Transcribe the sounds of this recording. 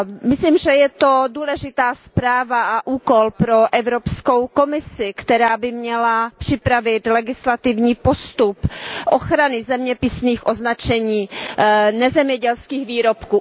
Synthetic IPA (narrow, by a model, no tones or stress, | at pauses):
mɪsliːmʒɛjɛt̪o̞duːlɛʒɪt̪aːspɾaːvaʔaʔuːko̞lpɾo̞ʔɛvɾopsko̞wko̞mɪsɪkt̪ɛɾaːbɪmɲɛlapr̥ɪpɾavɪt̪lɛɡɪslat̪ɪvɲiːpost̪upʔoxɾanɪzɛmɲɛpɪsniːxʔoznat͡ʃɛɲiː | nɛzɛmɲɛɟɛlskiːxviːɾo̞pkuː